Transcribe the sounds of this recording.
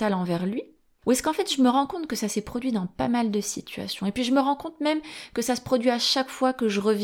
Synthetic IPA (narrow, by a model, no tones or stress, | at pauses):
alɑ̃vɛʁlɥi | uɛskɑ̃fɛt̪ʒəməʁɑ̃kɔ̃t̪χkəsasɛpχɔd̪ɥid̪ɑ̃pa̰mald̪əsit̪ʰɥa̰sjɔ̃epɥiʒəməʁɑ̃kɔ̃t̪mɛmkəsasə̥pχɔd̪ɥiaʃakfwakəʒəʁəv